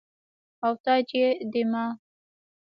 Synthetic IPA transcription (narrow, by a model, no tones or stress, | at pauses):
awt̪ɑd͡ʒed̪ɪmɑ